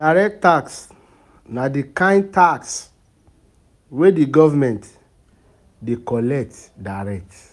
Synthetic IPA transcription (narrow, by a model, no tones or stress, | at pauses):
daɾɛk̚taks | nadikãɪ̃nd̚taks | wediɡɔvamɛ̃nt | dekɔlɛk̚tdaɾɛk̚t